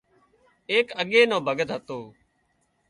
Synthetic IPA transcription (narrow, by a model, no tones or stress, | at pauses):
eːkəɠeːnõːbʱəɡət̪ɦət̪oː